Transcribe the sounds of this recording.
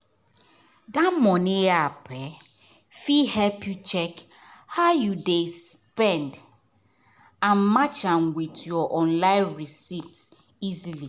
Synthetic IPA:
damɔniapʰɛ | fihɛlpjut͡ʃɛk | haʊjudespɛ̃nd | ãnmat͡ʃãnwitjɔʔɔ̃nlãɪ̃nɹisifs | izili

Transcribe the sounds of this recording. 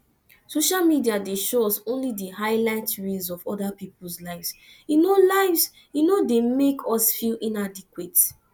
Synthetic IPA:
soʃalmidiadeʃoɔsõnlidihaɪlaɪtɹizɔvɔdapipl̩ˠslaɪvs | junolaɪvs | junodemekʰɔsfilĩnadikwet

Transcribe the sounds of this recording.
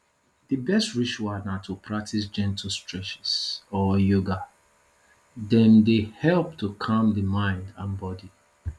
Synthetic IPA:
ðibɛstɹiʃuanatʰupʰɹak̚tʰis̬d͡ʒɛ̃ntʰəstʰɹɛt͡ʃɛ̥sɔjoɡa | dɛ̃ndehɛlp̚tukʰãmdəmãɪ̃ndãnbɔdi

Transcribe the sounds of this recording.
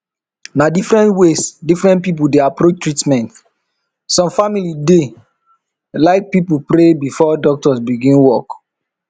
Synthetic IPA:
nadifɾɛ̃ntwesdifɹɛ̃nt̚pip̬udeapɾot͡ʃtɹitmɛ̃nt | sɔ̃mfamilide | laɪk̚pipupɾebifɔdɔk̚tɔsbiɡĩnwɔk

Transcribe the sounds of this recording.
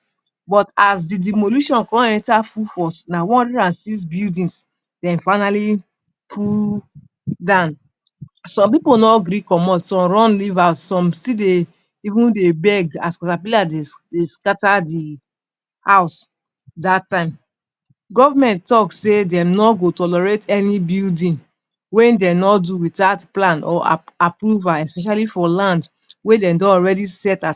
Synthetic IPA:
bɔtasdidimoluʃɔ̃nkɔ̃ɛ̃ntafufɔsnawɔ̃ɾiɾãnsis̬bildĩns | d̥ɛ̃nfaɪnali | pʰu | dãʊn | sɔ̃mp̬iponɔɡɾikɔmɔtsɔ̃mɹɔ̃nlivassɔ̃mside | ivũndebɛɡaskɔtapeadedeskatadi | haʊs | datːãɪ̃m | ɡɔvamɛ̃nttɔksedɛ̃mnɔɡotɔlɛɹetɛnibildĩn | wɛ̃ndɛ̃nɔduwitatplãnɔ̰apɹuvaɛspɛʃalifɔlãnd | wedɛ̃ndɔ̃ɔɹɛdisɛta

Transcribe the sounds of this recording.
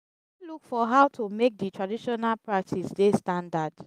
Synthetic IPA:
lukfɔɦaʊtʰumek̚ditʰɹadiʃɔnalpʰɹak̚tʰisdestãndad

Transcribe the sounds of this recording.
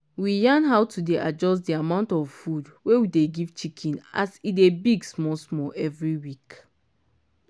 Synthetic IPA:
wijãnɦaʊtʰudeʔad͡ʒɔs̬diamãʊ̃ntɔvfudwewideɡivt͡ʃikʰĩna̰sidebiɡsmɔsmɔʔɛvɹiwik

